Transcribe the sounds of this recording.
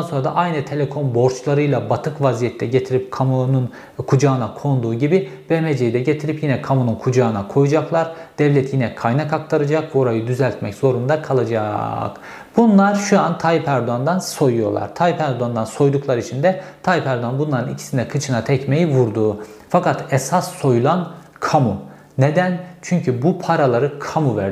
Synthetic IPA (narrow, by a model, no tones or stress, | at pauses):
anso̞nɾad̪a̰ʔajnɯt̪ʰe̞lʲekʰo̞nbo̞ɾt͡ʃlˠaɾɯjlˠabat̪ʰɯkvazijɛt̪ʰːɛɟe̞t̪ʰiɾip̚kʰamunun | kʰud͡ʒaɯnakʰo̞nd̪uːɟibibemed͡ʒejid̪ɛɟe̞t̪ʰiɾipjinɛkʰamununkʰud͡ʒaːɯnakʰo̞jud͡ʒaklˠaɾd̪̥ɛvlʲɛt̪ʰjinɛkʰajnakakt̪ʰaɾad͡ʒakvoɾajɯd̪yzælʲt̪mɛcz̥o̞ɾund̪akʰalˠad͡ʒa̰k | b̥unlˠaɾʃuant̪ʰajipæɾd̪uand̪anso̞jujo̞ɾlˠa̰ɾt̪ʰajipæɾd̪uand̪anso̞jd̪uklˠaɾit͡ʃʰind̪ɛt̪ʰajipæɾd̪uanbunlˠaɾɯnicʰi̥sind̪ɛkʰɯt͡ʃʰɯnat̪ʰɛcmejivuɾd̪uːfakat̪ʰɛsasːo̞julˠan | kʰamu | ned̪ænt͡ʃʰyɲcʰybupʰaɾalˠaɾɯkʰamuvæɾd̪